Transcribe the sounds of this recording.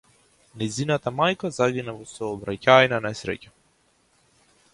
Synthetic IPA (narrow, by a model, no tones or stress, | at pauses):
najzinat̪amajkazaɡinavɔsɔːbɾacajnanɛsɾɛ̰ca